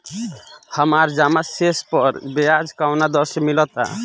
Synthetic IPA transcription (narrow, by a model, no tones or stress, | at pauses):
həmaɾd͡ʒamasespɔɾbɛjad͡ʒkawnad̪ɔsɛmilɔt̪a̰